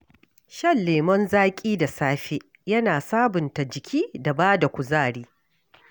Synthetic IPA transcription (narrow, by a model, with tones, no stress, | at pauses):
ʃɐ˦˨lːeː˨mɔ˦nzaː˦kʲʼiː˦da˨saː˦ɸe˦ | jɐ˦naː˨saː˦bʊ˨nta˨d͡ʒɪ˨kʲʰiː˦da˨baː˦da˨kʷʊ˨zaː˦˨ɽiː˦